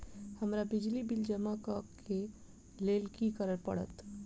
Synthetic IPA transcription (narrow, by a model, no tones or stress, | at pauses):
həmɾabɪd͡ʒlibɪld͡ʒəmakəke | leːlkikəɾəɾpə̰ɽə̰t̪